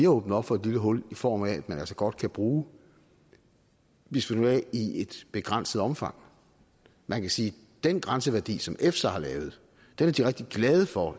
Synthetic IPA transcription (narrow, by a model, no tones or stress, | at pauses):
iɔːb̥n̩ˠɒ̽b̥fɒ̽ed̥liləɦɔ̽l̰ifɒ̰ːmææd̥mænæl̰sɐɡ̥ɒ̽d̥̚kʰæb̥ʁuː | ʋesʋinuɛie̝d̥b̥e̝ɡ̥ʁan̰sð̩ˠɒ̽mfɑ̈ŋ̰ | mænkʰæsiː | d̥enɡ̥ʁɑnsəʋæɐd̥ḭːsɒ̽mefsæhɑ̈lɛːʊð̞̩ˠ | d̥enæɐd̥iʁeɡ̥d̥iɡ̥lɛːð̞ˠəfɒ̽